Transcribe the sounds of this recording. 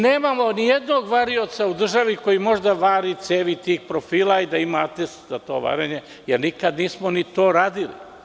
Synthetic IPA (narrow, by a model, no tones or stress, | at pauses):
neːmamo̞nijed̪noɡʋaɾio̞t̪saud̪r̩ʒaʋiko̞jimo̞ʒd̪aʋaːɾit̪seːʋit̪iːxpɾofiːlˠaid̪aimaat̪est̪zat̪o̞̰ːʋa̰ɾeɲe | jeɾnikad̪niːsmonit̪oːɾaːd̪ilḭ